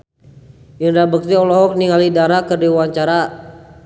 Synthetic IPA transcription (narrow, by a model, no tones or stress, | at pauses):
inɾabək̚t̪iɔlɔɦɔk̚niŋalidaɾakərdiwaɲt͡ʃaɾa